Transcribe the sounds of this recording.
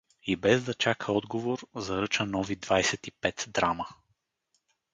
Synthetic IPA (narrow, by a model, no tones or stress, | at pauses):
ibɛzd̪ɐt͡ʃakʰəɔd̪ɡovoɾzɐɾɤt͡ʃənɔvid̪vajsɛt̪ipɛt̪d̪ɾamə